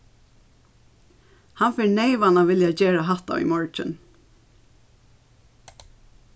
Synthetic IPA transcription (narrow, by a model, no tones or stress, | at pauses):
hanfɪɹneɪʋanaʋɪljad͡ʑeːɹaɦaht̪a̰ʋḭmɔɹt͡ʃɪ̰n